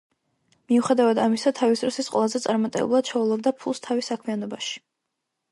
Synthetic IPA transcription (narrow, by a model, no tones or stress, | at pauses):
miuχɛd̪avad̪amisat̪ʰavisd̪ɾɔsisqʼwɛ̰lˠazɛt̪sʼaɾmat̪ʼɛ̰bulˠad̪̥̚t͡ʃʰɛulˠɔbd̪apʰulˠst̪ʰavisakʰmianɔbaʃi̥